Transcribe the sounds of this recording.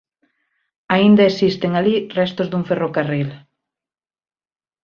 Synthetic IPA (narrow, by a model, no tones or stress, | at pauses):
aind̪ɐesist̪eŋalirɛst̪ʊzd̪uŋferokaril